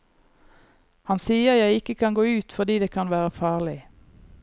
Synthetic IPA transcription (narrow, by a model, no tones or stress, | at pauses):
hɑnsiːəʁjæɪɪkəkʰɑnɡoːʉːt̪fɔʁd̪iːd̪eːkʰɑnʋæːʁəfɑːʁlɪ